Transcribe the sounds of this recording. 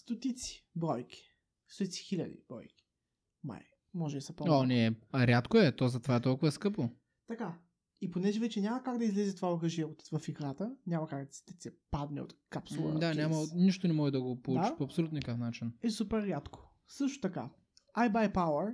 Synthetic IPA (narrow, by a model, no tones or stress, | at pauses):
st̪ot̪it̪si̥bɾɔjkʲi̥ | st̪ot̪it̪si̥xilʲɐd̪ḭb̥ɾɔ̰jkʲi̥ | ma̰j | mɔʒɛsɐpɔonɛɾʲjat̪koɛt̪ɔzɐt̪ovaɛt̪ɔlˠkʊvəskɤpo | t̪ɐka | iponɛʒɛvɛt͡ʃɛnʲamɐkaɡd̪ɐizlɛzɛt̪ovaɐɡɐʒiɛot̪vɐfiɡɾat̪ənʲamɐkaɡd̪ɐsɛpad̪nɛ̰o̰t̪kapsolˠd̪anʲamɐniʃt̪onɛmɔʒɛd̪ɐɡopold̪ˠuat͡ʃipoɐpsolʲut̪əkəfnat͡ʃinɛsupɛɾːjat̪ko̥ | sɤʃt̪o̥t̪ɐka | ajbajpawəɾ